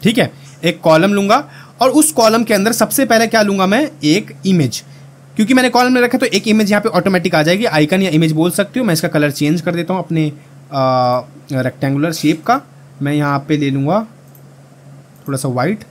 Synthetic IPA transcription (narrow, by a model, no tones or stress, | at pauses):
ʈʰiːkɦɛː | eːkːɔːləmlũːŋɡa | ɔːɾʊskɔːləmkeɐ̃nd̪əɾsɐbsepɛɦlekjaːlũːŋɡamɛ̃eːkɪmeːd͡ʒ | kjõːkimɛːnekɔːləmmẽɾɐkʰːet̪oʔeːkɪmeːd͡ʒjɐɦãːpeʔɔːʈoːmɛːʈɪkaːd͡ʒaeːɡiʔaːɪkənjaɪmeːd͡ʒboːlsɐk̚t̪iɦũmɛ̃ːɪskakɐləɾt͡ʃẽːɲd͡ʒkɐɾd̪eːt̪aɦũɐpne | ɾɛk̚ʈɛ̃ːŋɡʊləɾʃeːp̚ka | mɛ̃jɐɦããpeleːlũːŋɡa | t̪ʰoːɽasaʋaːɪʈ